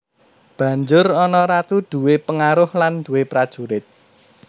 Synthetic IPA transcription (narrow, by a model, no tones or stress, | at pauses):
b̥ä̤ɲd͡ʒʊrɔnɔɾat̪ud̪̥ṳwepəŋaɾʊhland̪̥uwepɾad̥ʒ̥uɾɪt̪̚